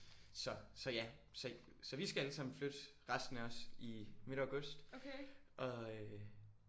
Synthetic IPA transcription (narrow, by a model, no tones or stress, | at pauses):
sɒ̽sɒ̽jæsɒ̽ | sɒ̽ʋisɡ̥ææləsɑ̈m̰n̩flød̥ | ʁasd̥n̩æɒ̽sime̝ɾæʊɡ̥ɔsd̥ | ʔɒ̽